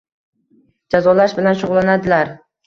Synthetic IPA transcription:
d͡ʒazɒlaʃbɪlanʃʊʁlˠanad̪ɪlaɾ

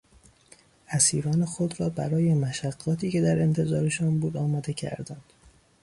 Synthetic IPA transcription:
ʔæsḭːɾɒːne̞xo̞d̪ɾɒːbæɾɒːjemæʃæɡːɒːt̪ʰiːce̞d̪æɾe̞nt̪ʰe̞zɒːɾe̞ʃɒnbuːd̪ɒːmɒːd̪e̞cʰæ̰ɾd̪ænd̪̥

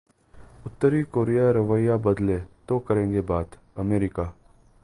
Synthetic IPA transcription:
ʊt̪ːəɾikoːɾijaːɾəʋəjabəd̪leːt̪okəɾẽːŋɡebaːd̪ | əmeːɾɪkaː

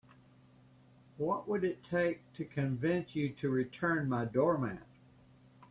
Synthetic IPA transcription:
wʌʔwəɾɨtʰeɪk̚tʰɨkʰɨ̃ɱvɪ̃nsjɨɾɨɹitʰɜ̃˞nmaɪdɔɹmæ̰̃n

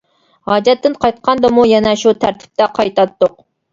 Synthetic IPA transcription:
hɑːd͡ʒɛt̪ːɪnqʰɑjt̪qʰɑnd̪ɑmujɛnɛʃut̪ʰæɾt̪ʰɪ̥p̚t̪ʰɛqʰɑjt̪ɑt̪ːoq

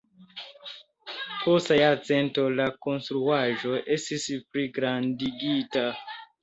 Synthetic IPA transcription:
postajaɾt͡se̞nto̞lako̞nstɾuaʒo̞ʔe̞stispɾiɡɾandiɡita

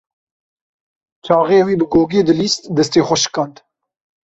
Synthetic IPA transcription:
t͡ʃʰɑːʁeːwiːbɨɡoːɡeːd̪ɨliːst̪d̪ɛst̪eːxʷɔʃɨ̥kɑnt̪

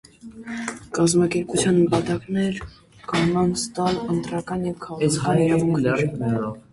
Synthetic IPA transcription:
kɑzmɑkɛɾput͡sʰjɑnːəpɑt̪ɑknɛɾ | kɑnɑnst̪ɑlənt̪ɾɑkɑnjɛvkʰɑɛɑɑvuŋʰlɛɾkɛɔ

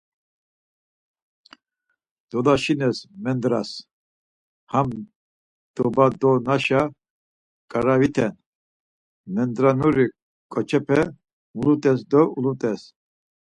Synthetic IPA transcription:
d̪̥ɔlaʃinɛsmɛnd̪ɾas | ham | d̪̥ɔbad̪ɔnaʃa | kʼaɾavit̪ʰɛn | mɛnd̪ɾanuɾi | kʼɔt͡ʃʰɛpʰɛ | mulut̪ʼɛs̬d̪ɔʔulut̪ʼɛs

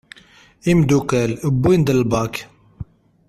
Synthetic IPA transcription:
imd̪ukəlbund̪əlbɑk

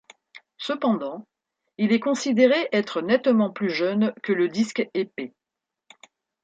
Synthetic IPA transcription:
səpɑ̃d̪ɑ̃ | ilɛkɔ̃sid̪eʁeʔɛt̪χənɛt̪mɑ̃plyʒœnkələd̪iskepe

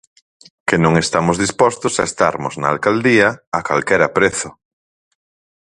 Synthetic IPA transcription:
kenõŋest̪amʊzðispɔst̪ʊsaest̪aɾmʊznaalkald̪iaːkalkɛɾapɾeθʊ

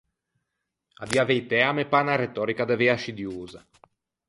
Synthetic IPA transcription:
ad̪iavɛjt̪ɛamepanaɾet̪ɔːɾikad̪evɛaʃid̪juːza

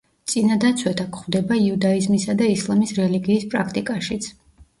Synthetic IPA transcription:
t̪sʼinad̪at̪sʰwɛt̪ʰakχvd̪ɛbaiud̪aizmisad̪aislˠamisɾɛliɡiːspʼɾakʰt̪ʼikʼaʃit̪sʰ

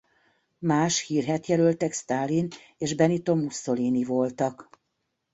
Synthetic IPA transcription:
maːʃhiːrɦɛt̪jɛlølt̪ɛkst̪aːlin | eːʒbɛnit̪o̞musːo̞liːnivo̞lt̪ɒk

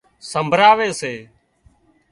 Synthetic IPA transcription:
səmbʱɾaːʋeːseː

